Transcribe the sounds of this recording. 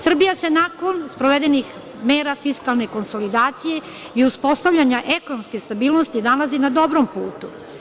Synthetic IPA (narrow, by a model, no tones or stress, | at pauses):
sr̩bijase̞nako̞nspɾoʋe̞d̪enix | me̞ːɾafiskalˠne̞ko̞nso̞lid̪aːt̪sije̞ | iuspo̞st̪aʋʎʲaɲaʔe̞ko̞nomskest̪abiːlno̞st̪inalazinad̪o̞bɾo̞mpṵːt̪u